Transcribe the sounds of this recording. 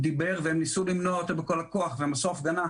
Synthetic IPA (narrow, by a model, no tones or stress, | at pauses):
d̪ibe̞ʁveemnisulimnoaot̪obeko̞lakoaχveemaso̞fɡana